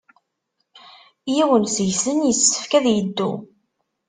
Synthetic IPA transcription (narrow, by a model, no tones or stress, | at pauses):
jiwənsʝsənjəsːə̥fkæðjəd̪ːṵ